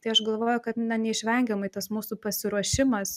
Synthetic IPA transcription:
t̪ɐɪɐʃɡɐlˠʋoːjʊkɐt̪nʲɐnʲɛɪʃʲʋʲɛŋʲɡʲɛmɐɪt̪ɐsmuːsupɐsʲɪɾuɔʃʲɪmɐs

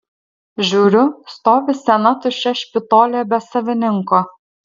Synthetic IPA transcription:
ʒʲuːɾʲʊst̪oːʋʲɪsʲɛnɑt̪ʊʃʲɛʃʲpʲɪt̪ɔːlʲɛbʲɛsɐʋʲɪnʲɪŋko

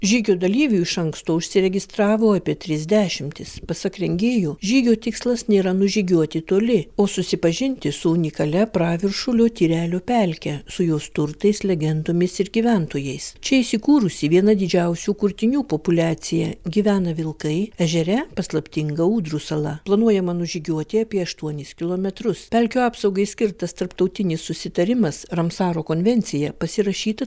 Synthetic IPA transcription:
ʒʲiːɡʲoːd̪ɐlʲiːʋʲuɪʃɐŋkst̪oːʊʃʲsʲɪɾʲɛɡʲɪst̪ɾɑːʋoːɑːpʲiɛt̪ʲɾʲɪzʲd̪ʲæːʃʲɪmʲt̪ʲɪspɐsɐkɾʲɛŋʲɡʲeːjoːʒʲiːɡʲoːt̪ʲɪkslˠɐsnʲeːɾɐnʊʒʲiːɡʲuɔt̪ʲɪt̪oːlʲɪoːsʊsʲɪpɐʒʲɪnʲt̪ʲɪsʊʊnʲɪkɐlʲɛpɾɑːʋʲɪɾʃʊlʲoːt̪ʲiːɾʲæːlʲoːpʲælʲkʲɛsʊjoːst̪ʊɾt̪ɐɪslʲɛɡʲɛnd̪oːmʲɪsɪɾɡʲiːʋʲænt̪oːjɛɪst͡ʃʲɛɪsʲɪkuːɾʊsʲiʋʲiɛnɐd̪ʲɪd͡ʒʲɛʊsʲuːkʊɾʲt̪ʲɪnʲuːpoːpʊlʲæːsʲɪjɛɡʲiʋʲæːnɐʋʲɪlˠkɐɪɛʒʲɛɾʲɛpɐslˠɐpʲt̪ʲɪŋɡɐuːd̪ɾuːsɐlˠɐplˠɐnuɔjɛmɐnʊʒʲɪɡʲuɔt̪ʲeːɐpʲiɛɐʃt̪uɔnʲɪskʲɪlˠoːmʲɛt̪ɾʊspʲɛlʲkʲoːɑːpsɐʊɡɐɪsʲkʲɪɾt̪ɐst̪ɐɾpt̪ɐʊt̪ʲɪnʲɪsʊsʲɪt̪ɐɾʲɪmɐsɾɐmsɑːɾoːkoːnʲʋʲɛnʲt̪sʲɪjɛpɐsʲɪɾɐʃʲiːt̪ɐ

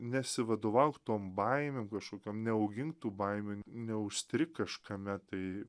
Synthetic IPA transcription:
nʲɛsʲɪʋɐd̪oːʋɐʊkt̪oːmbɐɪmʲemkɐʃkoːkʲomnʲɛɐʊɡʲɪŋkt̪uːbɐɪmʲuːnʲɛʊsʲt̪ʲɾʲɪkɐʃkɐmʲɛt̪ɐɪ

